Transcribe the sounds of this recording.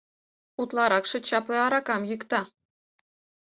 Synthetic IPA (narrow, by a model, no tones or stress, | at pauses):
ut̪lˠɑɾɑkʃɤ̆t͡ɕɑpleɑɾɑkɑmjykt̪ɑ